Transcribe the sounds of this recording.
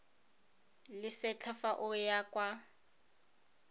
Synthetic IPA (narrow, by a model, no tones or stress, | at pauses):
lɪsɛt͡ɬʰafaʔʊjakʼwa